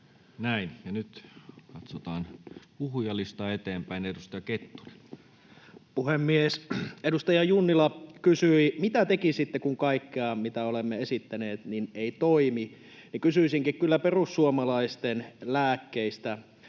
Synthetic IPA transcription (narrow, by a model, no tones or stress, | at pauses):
næinjɑnyt̪kɑt̪sot̪ɑːnpuhujɑlist̪ɑet̪eːmpæinedust̪ɑjɑket̪ːu̥ri | puhemːiesedust̪ɑjɑjunːilɑkysyimit̪æt̪ekisit̪ːekuŋkɑikːeɑmit̪æolemːeesit̪ːæneːt̪nineit̪oimi | nikysyisiŋkikkylːæperusːuomɑlɑist̪enlæːkːeist̪æ